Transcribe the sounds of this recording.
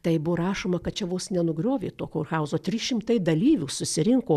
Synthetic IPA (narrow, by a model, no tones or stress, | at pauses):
t̪ɐɪbʊɾɑːʃoːmɐkɐt̪̚t͡ʃʲɛʋuːsnʲɛnʊɡɾʲoːʋʲḛːt̪oːkʲoːrxɐʊzoːt̪ʲɾʲɪʃʲɪmt̪ɐɪd̪ɐlʲiːʋʲuːsʊsʲɪɾʲɪŋkoː